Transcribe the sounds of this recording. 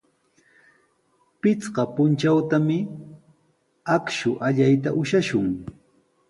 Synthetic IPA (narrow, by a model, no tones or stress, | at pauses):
pɪt͡sɢɑpʊnt͡ʃawt̪amɪ | akʃʊʔaʎajt̪aʔʊʃaʃʊŋ